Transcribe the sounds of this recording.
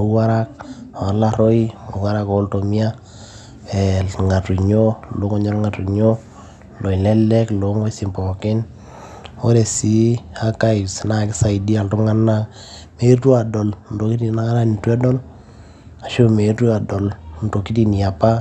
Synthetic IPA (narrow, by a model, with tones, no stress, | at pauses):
o˨˦wa˦ɾa˦k̚o˨a˨la˦ɾɔ˦i˦o˨wa˦ɾa˦kɔ˨˦lto˨mi˦a˦ | ɛ˨ŋa˨tu˨ɲo˦lo˨˦ŋɔ˦ɲo˦ɾɔ˦ŋa˨tu˨ɲo˦ | lo˨i˨lɛ˦lɛ˦klo˨ŋo˦i˦si˨mpɔ˨kɪ˦n | o˦ɾe˨si˨a˦ka˦i˨sna˨kɪ˦sa˨i˨di˦a˨nru˦ŋa˦nːa˦ | me˨˦i˦ɾtu˦a˨dɔ˨ln̩do˨˦ki˦ti˦na˦ŋa˦ɾa˦ni˨twɛ˦dɔ˦l | a˨ʃo˦me˨˦tu˦a˨dɔ˨lnto˨ki˦ti˦n˨a˨pa˦